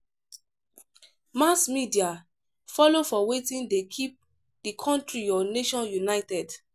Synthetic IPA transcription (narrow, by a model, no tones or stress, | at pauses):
masmidia | fɔlofɔwetĩndekʰip̚ | dikʰɔ̃ntɹijɔneʃɔ̃njunaɪtɛd